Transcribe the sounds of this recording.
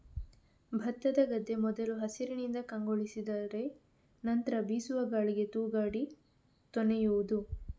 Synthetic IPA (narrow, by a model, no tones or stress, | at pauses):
bʱɐt̪ːɐd̪ɐɡɐd̪ʱːe̞mɔd̪ɐluɦɐsiɾinind̪ɐkɐŋɡoɭisid̪aːɾe̞ | nɐnt̪ɐɾɐbiːsuʋɐɡaːɭiɡe̞t̪uːɡaːɽi | t̪ɔnejuud̪u